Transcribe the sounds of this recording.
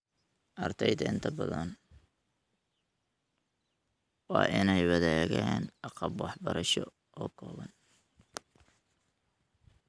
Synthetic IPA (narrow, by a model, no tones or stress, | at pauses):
ʔɐrt̪ʰɛjt̪ɐɪnt̪ʰɐbɐðɐn | wɑːʔɪnɛjwɑðɛːɣɛːnɑqɑbwɑħbɐɾɐʃɔ | ʔɔːkʰɔːβɐn